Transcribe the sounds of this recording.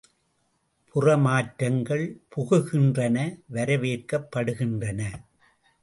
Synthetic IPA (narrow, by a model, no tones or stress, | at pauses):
pʰʊrɐmaːʈɾɐŋɡɐɭpʊɣɯɣɪndrɐnɐʋɐɾɐʋeːɾkɐpːɐɽɯɣɪndrɐnɐ